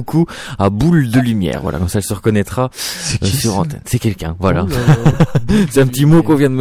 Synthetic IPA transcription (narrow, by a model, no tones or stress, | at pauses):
kʰuabuld̪əlymjɛ̰ːʁvwa̰lʔa̰kɑ̃saɛlsəʁəkɔnɛt̪χaøsyʁɑ̃t̪ɛ̰nsɛkʲɛlkʲɛ̃vwala̰ | sɛt̪ɛ̃pət̪imokɔ̃vjɛ̃d̪əm